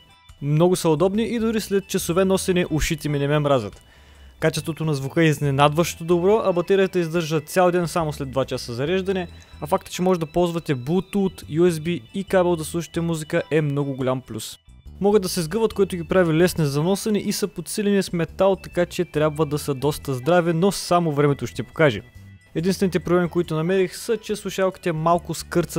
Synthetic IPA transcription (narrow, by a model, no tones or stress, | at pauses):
mnɔɡʊsɐod̪ɔbniʔid̪ʊɾislɛt̪̚t͡ʃɐsovɛnɔsɛnɛʔuʃit̪ʲɛminɛmɛmɾazʲɐt̪ | kat͡ʃɛst̪vot̪onɐzvukɤɛiznɛnad̪vəʃt̪od̪obɾɔʔɐbɐt̪ɛɾijət̪əizd̪ɤɾʒət̪sʲalˠd̪ɛnsamoslɛd̪vat͡ʃasəzɐɾɛʒd̪ɐnɛ | ɐfak̚t̪ə̥t͡ʃɛmɔʒɛd̪ɐpɔlˠzvɐt̪ɛbut̪ut̪juɛzbiikabɛlˠd̪ɐslˠuʃi̥t̪ɛmuzikəʔɛmnɔɡʊɡʊlʲamplʲus | mɔɡət̪d̪ɐsɛzɡɤvət̪koit̪ʊɡʲipɾavilɛsnɛzɐnɔsɐnɛʔisɐpot̪silɛniɐsmɛt̪alˠt̪ɐkat͡ʃɛt̪ɾʲjabvəd̪ɐsəd̪ɔst̪əzd̪ɾavɛnosamovɾɛmɛt̪oʃɛt̪ɛpo̥kaʒɛ̰ | ɛd̪inst̪vɛnit̪ɛpɾoblɛmikoit̪ʊnɐmɛɾixsət͡ʃɛslˠuʃalˠki̥t̪ɛmalˠkʊskɤɾt̪sət̪